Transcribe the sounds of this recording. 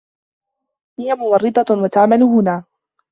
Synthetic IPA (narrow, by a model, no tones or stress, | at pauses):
hɪjamʊmɑrːɨd̪ˤɑwat̪aʕmalʊɦʊnaː